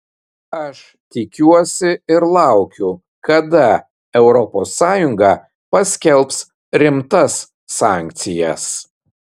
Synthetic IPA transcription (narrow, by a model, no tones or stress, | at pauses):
ɐʃ | t̪ʲɪkʲuɔsʲɪɪɾlˠɑˑʊkʲʊ | kɐd̪ɐ | ɛʊɾɔposːɑːjʊŋɡɑ | pɐsʲkʲɛlˠps | ɾʲɪmt̪ɐsː | ɑːˑŋʲk̚ʲt̪sʲɪjɛs